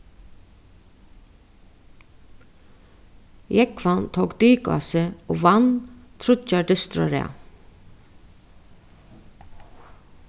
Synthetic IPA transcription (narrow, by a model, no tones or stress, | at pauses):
jɛkʰfɑnt̪ʰoːkd̪yːkɑ̰səo̰ːʋɑnt̪ʰɾʊɑɖɪst̪ɾɔ̰ɾḛː